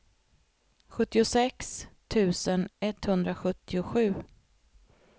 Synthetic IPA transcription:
ɧɵt̪ːɪʊsɛkst̪ʰʉ̟ːsənɛt̪hɵnd̪ɾaɧɵt̪ːɪʊɧʉ̟ː

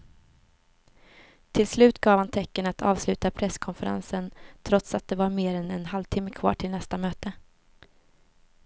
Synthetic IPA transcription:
t̪ʰɪlslʉ̟ːt̪ɡɑːvhant̪ʰɛkːənat̪ʰɑ̰ːvslʉ̟ːt̪apʰɾɛskʰɔnfəɾa̰nsənt̪ʰɾɔt̪sat̪̚d̪ɛvaɾmeːɾɛnɛnhalvt̪ʰɪmːəkʰvɑ̰ːʈʰɪlnɛst̪amøːt̪ə

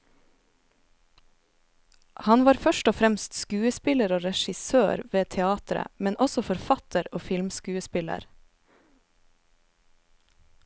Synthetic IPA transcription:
hɑnʋɑːɾfœʃʈɔfɾɛmst̪skʉːəspɪləɾoːɾɛʃɪsøːɾʋeːt̪ʰɛɑːt̪ɾə̰mɛnʔɔsɔfɔɾfɑt̪əɾoːfɪlmskʉːəspɪlə̰ɾ

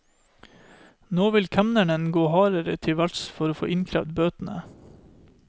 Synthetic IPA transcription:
noːʋɪlkʰæmnæɳənɡoːhɑːɾəɾə̰t̪ʰɪʋæʈsfɔɾoːfo̰ːʔɪnkʰɾæ̰ʋd̪bøːt̪n̩ə̰

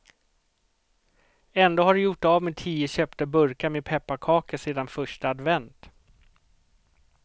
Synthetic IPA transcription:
ɛnd̪oːhaɖɵjʊʈːavmet̪ʰiːəɕœːpt̪əbɵɾkameːd̪̚pʰɛpːakʰɑːkəseːd̪anfœʂʈaad̪vɛnt̪

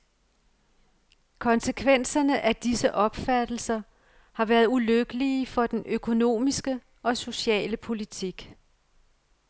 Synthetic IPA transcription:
kʰɒ̽nsəkʰʋen̰sɐnəʔæd̥isəʔɒ̽b̥fæd̥l̩sɐ | hɑ̈ʋæːɐð̩ˠuløɡ̥əlifɒ̽d̥enøkʰo̝no̝̰ːmisɡ̥ə | ɒ̽so̝ɕɛ̰ːləpʰo̝lit͡sʰiɡ̥

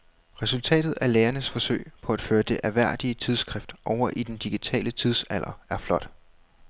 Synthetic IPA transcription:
ʁɛsult͡sʰɛ̰ːd̥ð̞̩ˠæɐleːɐnəsfɒ̽sø̰ɪpʰɒ̽æd̥føːɐd̥e̝ʔæʋæɐ̰d̥iət͡sʰið̞ˠsɡ̥ʁɛfd̥ʔɒʊ̰ɐʔid̥end̥iɡ̥it͡sʰɛ̰ːlət͡sʰið̞ˠsælʔɐæɐflɒ̽d̥

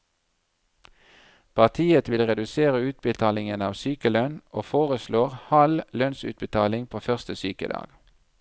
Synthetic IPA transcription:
pʰɑʁt̪ʰiːət̪ʋɪlʁɛd̪ʉseːʁəʉːt̪̚bət̪ʰɑːlɪŋənɑːʋsyːkəlœnʔoːfoːʁəsloːʁhɑllœnsʉ̰t̪̚bət̪ʰɑːlɪŋpʰoːfœʁst̪əsyːkə̰d̪ɑ̰ːɡ̥

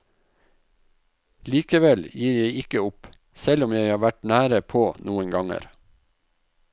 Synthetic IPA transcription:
liːkəʋɛljiːɾjeɪɪkəʊp | sɛlʊmjeɪhɑːʋæʈnæːɾəpʰoːnʔuːənɡɑŋə̰ɾ

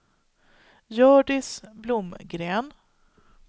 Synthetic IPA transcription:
jœːɖɪsblʊmɡɾeːn

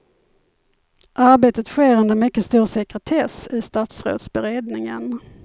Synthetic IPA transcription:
ʔaɾbeːt̪ət̪ɧeːɾɵnd̪əɾmʏkːəst̪uːɾsɛkɾət̪ʰɛːsɪst̪ɑːt̪sɾo̰ːd̪sbɛɾeːd̪nɪŋə̰n

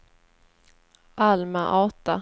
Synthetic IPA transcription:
ʔalmaʔɑːt̪a

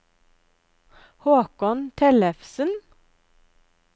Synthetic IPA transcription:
hoːkɔnt̪ʰɛlɛfsən

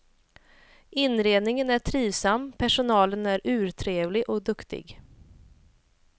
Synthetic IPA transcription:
ʔɪnɾeːd̪nɪŋənæʈʰɾiːvsamːpʰæʂʊnɑːlənæɾʔʉ̟ːɾʈ̪ʰɾeːvlɪɡʔɔkd̪ɵkt̪ɪ̰ɡ

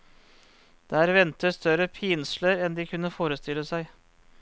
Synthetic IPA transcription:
d̪̥eæːɾʋɛnt̪əst̪œɾəpʰɪnsləɾɛnd̪iːkʰʉnːəfoːɾəst̪ɪlːəsæɪ

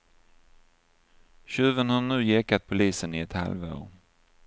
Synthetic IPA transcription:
ɕʉ̟ːvənhaɳʉ̟ːjɛkːat̪̚pʰʊliːsənɪɛt̪ha̰lvo̰ːɾ

